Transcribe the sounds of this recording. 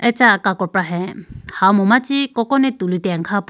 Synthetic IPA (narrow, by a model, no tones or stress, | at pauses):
ɛt͡ʃakakɔpɹaɦɛ̃hawmɔmat͡ʃikɔkɔnɛt̪ulut̪ɛaŋkʰap